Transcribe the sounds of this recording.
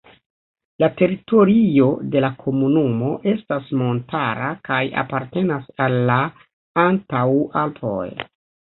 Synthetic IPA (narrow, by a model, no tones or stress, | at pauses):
late̞ɾito̞ɾio̞de̞lakʰo̞munumo̞ʔe̞stasmo̞ntʰaɾakaja̰paɾte̞nasalːa | antawalpʰo̞̰j